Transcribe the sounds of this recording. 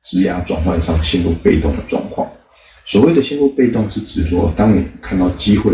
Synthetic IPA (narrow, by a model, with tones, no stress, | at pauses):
t͡sɻ̩˥ja˥ʈ͡ʂwɑ̰˥˩ŋkʰwa˥˩ŋ˨˩ɑ˥˩ŋɕjɛ˥nlu˥˧pe˥˧ɪt̪o˥˩ŋd̪ə˩ʈ͡ʂwɑ̰˥˧ŋkʰwɑ̰˥˩ŋ | swɔ˨˩we˥˩ɪd̪ə˩ɕɛ˥nlu˥˧pe˥˧ɪt̪ʊ˥˧ŋʂɻ̩˥˩ʈ͡ʂɻ̩˨˩˦wɔ˥t̪ɑ˥ŋni˨˩kʰa˥˧nt̪ɑ˥˩ʊt͡ɕi˥xwe˥˩